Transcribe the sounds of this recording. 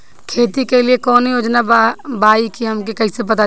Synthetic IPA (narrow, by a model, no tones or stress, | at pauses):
kʰeːt̪ikeliekɔːnijoːd͡ʒnabaːikiɦəmkekɐisepət̪a